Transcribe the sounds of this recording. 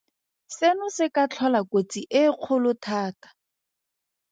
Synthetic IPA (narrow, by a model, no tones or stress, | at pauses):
senʊsɪkat͡ɬʰɔlakot͡siʔɪq͡χʰʊlʊtʰaːtḁ